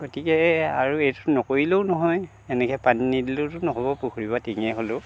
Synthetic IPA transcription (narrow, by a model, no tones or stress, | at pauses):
ɡotikɛaɹuejtʊnɔkoɹiloʊnɔɦɔj | ɛnɛkɛpaninidilotʊnɔɦɔbɔpukʰuɹibatiŋɛɦolʊ